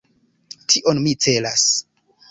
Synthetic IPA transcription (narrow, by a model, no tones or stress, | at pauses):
tʰiʔo̞nmit͡se̞las